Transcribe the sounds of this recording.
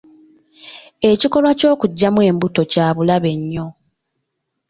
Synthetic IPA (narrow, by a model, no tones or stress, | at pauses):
e̞ciko̞lwaco̞ːkuɟːamwe̞ːmbuto̞caːβulaβe̞ɲːo̞